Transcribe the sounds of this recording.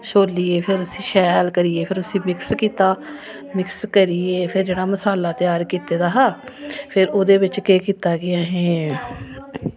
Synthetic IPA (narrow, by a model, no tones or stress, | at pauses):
ʃoːliːeːpʰɪɾʊsĩːʃɛːlkəɾiːeːpʰɪɾʊsĩːmɪkskiːt̪aː | mɪkskəɾiːeːpʰɪɾd͡ʒeːɽaːməsaːlaːt̪ɪjaːɾkiːt̪eːd̪aːɦaːpʰɪɾoːd̪eːʋɪt͡ʃkeːkiːt̪aːɡɪaːɦẽː